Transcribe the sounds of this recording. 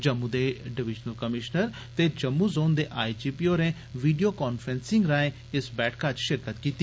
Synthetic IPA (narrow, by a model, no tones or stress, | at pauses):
d͡ʒəmːud̪eːɖɪʋɪd͡ʒnəlkəmɪʃnəɾ | t̪eːd͡ʒəmːuːzoːnd̪eːʔaːit͡ʃiːpiːoːɾẽː | ʋiːɖioːkaːnfʰɾɛ̃nsɪ̃ŋɡɾãːẽː | ɪsbɛːʈkat͡ʃʃɪɾkət̪kiːt̪iː